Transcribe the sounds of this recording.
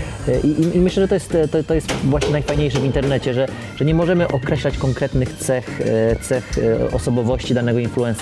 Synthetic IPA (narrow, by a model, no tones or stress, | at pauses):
ʔiʔiimɘɕlɛʐɛt̪ɔjɛst̪t̪ːɔt̪ɔjɛst̪vwaɕɲɛnajfajɲejʂɛvint̪ɛɾnɛt͡ɕɛʐɛ | ʐ̥ɛɲɛmɔʐɛmɘʔɔkɾɛɕlat͡ɕkɔŋkɾɛt̪nɘxt̪sɛxt̪sɛxɔsɔbɔvɔɕt͡ɕid̪anɛɡɔinfluɛns